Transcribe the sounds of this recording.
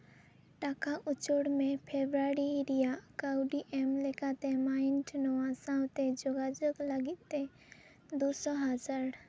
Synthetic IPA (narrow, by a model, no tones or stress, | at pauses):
ʈakaʔʊt͡ʃoɽmẽpʰebɾaɾiɾijakawɖiʔɛmlekat̪emaɪnʈnɔwasãwt̪ed͡ʒoɡad͡ʒokləɡit̪̚t̪ːe | d̪usɔɦad͡ʒaɾ